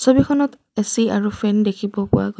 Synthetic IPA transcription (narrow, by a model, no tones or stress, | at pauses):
sobikʰɔnɔt | esiaɹupʰɹɛndekʰibɔpʊ̰wa̰ɡo